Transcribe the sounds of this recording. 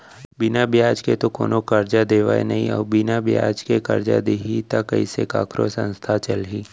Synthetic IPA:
bɪnabjaːd͡ʒket̪oko̰ːnokɐɾd͡ʒad̪eːʋa̰ːḛnɐɦĩɔ̰ːbɪnabja̰ːd͡ʒkekɐɾd͡ʒa̰d̪eːɦit̪akɐiseka̰ːkʰɾo̰sə̰̃nst̪ʰat͡ʃɐlɦiː

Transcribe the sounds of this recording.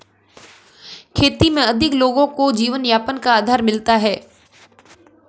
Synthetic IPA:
kʰeːt̪imẽɐd̪ʱɪkloːɡõkod͡ʒiːʋənjaːpənkaaːd̪ʱaːɾmɪlt̪aɦɛː

